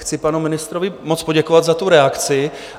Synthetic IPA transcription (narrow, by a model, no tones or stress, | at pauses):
xt͡sɪpanumɪnɪst̪ɾovɪmot͡spoɟɛkovad̪zat̪uɾɛakt͡sɪ